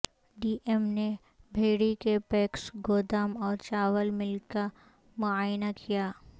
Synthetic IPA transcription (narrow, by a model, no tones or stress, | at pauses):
ɖiːʔemne | bʱeːɽikepɛːksɡoːd̪aːmɔːɾt͡ʃaːwəlmɪlka | mʊaːjnakʰijaː